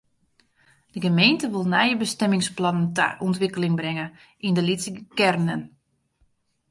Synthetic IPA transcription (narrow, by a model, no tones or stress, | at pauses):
d̥əɡəmejntəʋɪlˠnɛjəbəstɛmɪŋsplɔnəntə̰ʔɔntʋɪkəlɪŋbrɪŋə | ʔindəlisəkɛrnən